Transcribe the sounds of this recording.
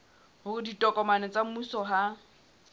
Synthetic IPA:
hʊrʊditʼɔkʼɔmanɛt͡sʼamusɔɦa

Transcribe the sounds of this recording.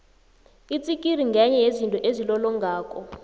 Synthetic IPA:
it͡sʼikʼir̤iŋɡʱɛɲɛɦezintʼɔʔezilɔlɔŋɡʱaːkʼɔ

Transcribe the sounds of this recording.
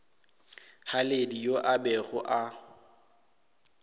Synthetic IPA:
haledijoʔabɛɣʊʔa

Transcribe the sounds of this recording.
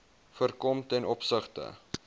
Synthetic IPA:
fərkɔmtɛnɔpsəχtə̰

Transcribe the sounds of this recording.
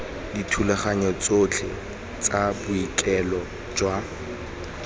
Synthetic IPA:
ditʰulɛχaɲɔt͡sot͡ɬʰɪ̰ | t͡sʼabʊikʼɛlɔ | d͡ʒwa

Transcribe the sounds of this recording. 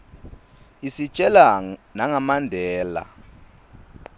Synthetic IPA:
isit͡ʃʼɛlanaŋamandʱɛːla̰

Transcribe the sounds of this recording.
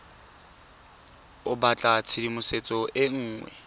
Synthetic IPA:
ʊbat͡ɬʼat͡sʰidimʊset͡sʼɔʔɪŋ̩ːŋwɛ̰

